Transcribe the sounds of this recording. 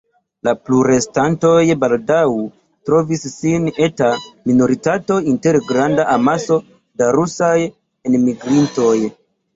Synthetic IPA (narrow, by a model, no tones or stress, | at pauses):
lapluɾe̞stanto̞jbaldaw | tɾo̞visːine̞tamino̞ɾitato̞inte̞ɾɡɾandaʔamaso̞ | daɾusaj | enmiɡɾinto̞j